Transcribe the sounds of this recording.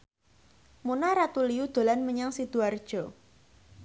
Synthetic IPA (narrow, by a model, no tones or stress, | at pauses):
munaɾat̪uliud̪̥o̤lanməɲaŋsid̪̥uard̥ʒ̥ɔ̤